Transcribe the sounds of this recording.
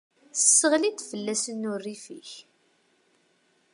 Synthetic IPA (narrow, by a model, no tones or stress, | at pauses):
θəsːəʁlid̪fəlːæsənːʊrːifḭç